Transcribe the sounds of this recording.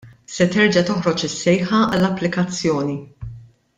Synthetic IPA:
sɛt̪ɛɾd͡ʒɐt̪ɔħɾɔt͡ʃɪsːɛjħɐɐ̰lːɐpːlɪkɐt͡sːjɔːni

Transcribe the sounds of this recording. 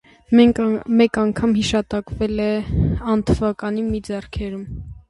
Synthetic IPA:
ɛmɛkɑŋkʰɑmhiʃɑt̪ɑkvɛlɛɑnt̪ʰəvɑkɑnimid͡zɛrkʰɛɾum

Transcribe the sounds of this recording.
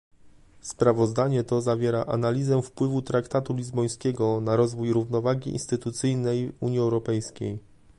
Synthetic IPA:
spɾavɔzd̪aɲɛt̪ɔzavʲjɛɾaʔa̰nalʲizɛfpwɘvut̪ɾakt̪at̪ulʲizbɔj̃skʲɛɡɔnaɾɔzvujɾuvnɔvaɡʲiḭnst̪ɘt̪ut̪sɘjnɛjuɲjiɛwɾɔpɛjskʲej

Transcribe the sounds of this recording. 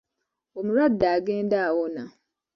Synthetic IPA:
wɔmĩɾadaɡɛ̃ndaawɔnã

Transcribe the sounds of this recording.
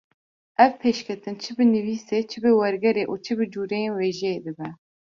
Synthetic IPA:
ɛvpʰeːʃkʰɛt̪ɨnt͡ʃʰɨbɨnɨviːseːt͡ʃʰɨbɨwɛɾɡɛɾeːʔuːt͡ʃʰɨbɨd͡ʒuːɾejeːnweːʒɛed̪ɨbɛ

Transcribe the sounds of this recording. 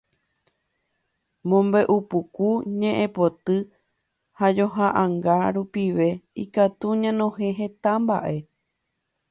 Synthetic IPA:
mõ̞mbe̞ʔupukuɲẽ̞ʔẽpo̞t̪ɨ | had͡ʒo̞ɦaʔãŋɡaɾupiʋe̞ikat̪uɲãnõ̞hẽ̞ɦe̞t̪amba̰ʔe̞

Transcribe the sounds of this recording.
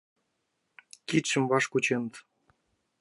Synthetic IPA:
kit̪ʃə̆mvɑʃkut͡ɕenət̪

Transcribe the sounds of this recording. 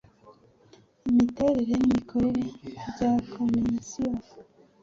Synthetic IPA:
imite̞ɾe̞ɾenimikʰoɾe̞ɾe̞ɟakʰomisija

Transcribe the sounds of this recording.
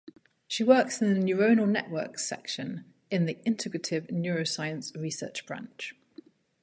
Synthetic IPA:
ʃiwɜˑksɪ̃nðənjʉːɹəʊnəlˠnɛ̰ʔwɜ̰ˑksɛ̰kʃə̃n | ɪ̃nðiʔɪ̃ntʰɪɡɹətʰɪvnjɔːɹəʊsaɪə̃nsɹisɜ̰ˑt͡ʃb̥ɹã̰nt͡ʃ

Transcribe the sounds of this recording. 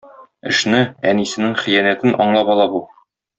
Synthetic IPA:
ɘ̆ʃnɘænisɘ̆nɘŋχĭjænæt̪ɘnʔɒ̰ɴlˠɑpɒlˠɑbu

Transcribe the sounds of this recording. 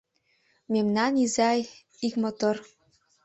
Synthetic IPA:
memnɑnizɑj | ikmɤ̆t̪ɤ̆r

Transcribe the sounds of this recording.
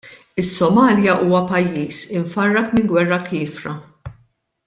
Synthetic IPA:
ɪsːɔmɐːljɐʔuːwɐpɐjːiːsɪɱfɐrːɐkmɪŋɡwɛrːɐkɪːfɾɐ

